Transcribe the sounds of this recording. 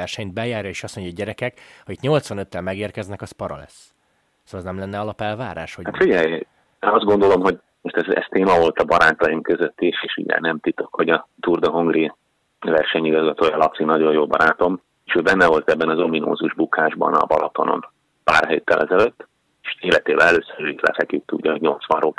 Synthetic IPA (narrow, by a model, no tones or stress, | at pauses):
ɛrʃɛɲt̪̚bɛjaːrjɒeːʃɒsmoɲɟɒɟɛɾɛkɛkɒit̪ɲo̞lt̪sʋɒnøt̪ːɛlmɛɡeːrkɛznɛkɒspɒɾɒ̰lɛ̰s | soɛznɛmlɛnːɛɒlɒpɛlvaːɾa̰ːʃhohat̪fiɟɛj | enɒzd̪ɡo̞nd̪o̞lo̞mɦo̞ɟ | moʃt̪ɛzɛ̰st̪eːmɒvo̞lt̪ɒbɒɾaːt̪ɒjimkøzøt̪ːiʃeːʃṵɟɛ̰nɛmt̪it̪o̞kho̞ɟɒt̪urd̪oɦoŋɡri | vɛrʃɛɲiɡɒzɡɒt̪oːjɒlɒpsinɒɟo̞joːbɒ̰ɾaːt̪o̞m | eʃøːbɛnːɛvo̞lt̪ɛbːɛnɒzomino̰ːzuʒbukaːʒbɒ̰nɒ̰bɒ̰lot̪o̞no̰n | pa̰ːrɦeːt̪ːɛlʔɛzɛløt̪ː | eʃeːlɛt̪eːbɛnɛløːsøɾøit̪lɛ̰fɛkjyk̚t̪uɟːɒɦoɟɲo̞lt̪sʋɒnroː